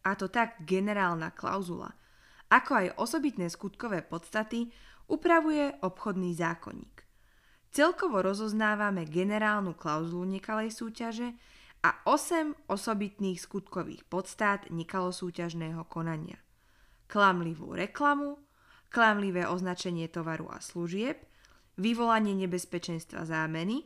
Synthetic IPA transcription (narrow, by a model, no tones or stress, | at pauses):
at̪ɔt̪aɡɡɛnɛɾaːlna̰kla̰ʊzula̰ | akɔajʔɔsɔbit̪nɛːskut̪kɔʋɛːpɔt̪st̪at̪iupɾaʋujɛʔɔpxɔd̪niːzaːkɔ̰ɲḭːk | t͡sɛlkɔʋɔɾɔzɔznaːʋamɛɡɛnɛɾaːlnuklaʊzuluɲɛkalɛjsuːcaʒɛa̰ʔɔsɛmʔɔsɔbit̪niːxskut̪kɔʋḭːxpɔt̪st̪aːt̪ɲɛkalɔsuːcaʒnɛːɦɔkɔnaɲɪa̰ | klamliʋṵːɾɛklamu | klamliʋɛːʔɔznat͡ʃɛɲɪɛt̪ɔʋaɾṵa̰sluʒɪɛp̚ | ʋiʋɔlaɲɪɛɲɛbɛspɛt͡ʃɛnst̪ʋa̰zaːmɛni